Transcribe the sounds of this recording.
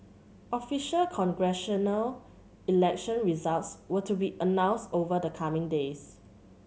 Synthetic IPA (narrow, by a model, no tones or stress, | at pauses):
ʔɔfiʃəlkʰɔ̃ŋɡɹɛʃənəl | ilɛk̚ʃə̃nɹizaltswətubiʔənãʊ̃nstovədəkʰamɪ̃ŋdes